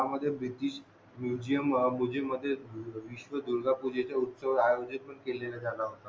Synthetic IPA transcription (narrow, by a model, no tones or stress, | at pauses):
aməd̪ʱːjebɾit̪iːɕ | mjud͡ʑijəmːud͡ʑeməd̪ʱːjeʋiɕʋəd̪uɾɡapud͡ʑet͡ɕaut̪səʋajod͡ʑənpəɳkelelad͡zalaɦot̪a